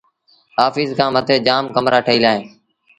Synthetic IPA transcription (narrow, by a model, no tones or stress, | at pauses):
ɦaːfiːzkʰãːmət̪ʰeːd͡ʒaːmkəmɾʔaːʈʰəiːlaːɦẽː